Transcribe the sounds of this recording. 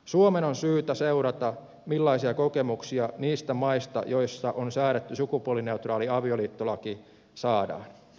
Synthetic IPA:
suomenonsyːt̪æse̞uɾɑt̪ɑ | milːɑisiɑko̞ke̞muksiɑniːst̪æmɑist̪ɑ̰jo̞jsːɑʔonsæːɾet̪ːysukupuoline̞ut̪rɑːliɑʋio̞liːt̪ːolɑki | sɑːdɑ̰ːn

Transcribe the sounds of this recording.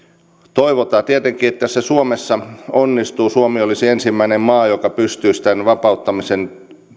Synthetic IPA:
t̪oiʋot̪ɑːt̪iet̪eŋkiːet̪ːæsːæsuomesːɑonːist̪uːsuomiolːisiensimːæinemmɑːjokɑpyst̪yːsi̥t̪ænʋɑpɑut̪ːɑmisen

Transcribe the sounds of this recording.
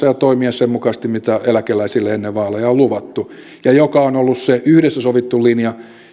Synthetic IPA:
ɑjɑt̪oimiɛssemmukɑist̪immit̪æelækelæisilːeenːeʋʋɑːlːejɑolluʋɑt̪ːu | jɑjokɑonolːusseʔyhɾesːæsoʋit̪ːulinjɑ

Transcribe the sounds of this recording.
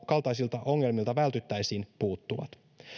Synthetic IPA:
kɑlt̪ɑjsilt̪ɑʔo̞ŋːe̞lmilt̪ɑʋælt̪yt̪ːæjsiːnpuːt̪ːuʋɑ̰t̪

